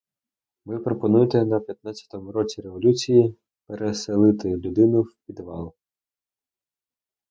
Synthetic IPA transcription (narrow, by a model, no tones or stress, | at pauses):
mɪpɾɔpɔnujt̪ɛnɐpʲjɐt̪̚nɑt͡sʲɐ̥t̪ɔmʊɾɔt͡sʲiɾe̞ʋɔlʲut͡sʲiji | peɾeselˠɪt̪ɪlʲʊd̪ɪnʊwpʲid̪ʋɑ̰lˠ